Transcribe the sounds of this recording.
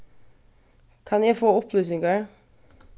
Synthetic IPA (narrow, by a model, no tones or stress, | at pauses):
kʰɑnjæɪfoːɔpʰlyːsɪŋɡə